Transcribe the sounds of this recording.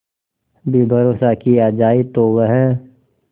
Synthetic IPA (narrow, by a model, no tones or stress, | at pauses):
bibʱəɾoːsakiaːd͡ʒaːit̪owəɦɛ̃